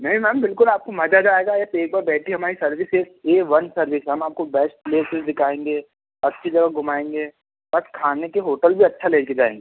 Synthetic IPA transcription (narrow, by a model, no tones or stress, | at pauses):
nɛ̃ɦĩmɛ̃ːmbɪlkʊlaːp̚komɐd͡ʒad͡ʒaːeːɡaet̪eːk̚baːɾbɛːʈʰiɦɐmaːɾisɐɾʋɪseːkeːʋɐnsɐɾʋɪsɦɐmaːp̚kobɛːsʈ̚pleːsɪzd̪ɪkʰaːẽːŋɡeː | ɐtːʃʰed͡ʒɐɡəɡʱʊmaːẽːŋɡeː | bɐskʰaːnekeɦoːʈəlbʱiɐtːʃʰaleːked͡ʒaːḛ̃ːŋɡeː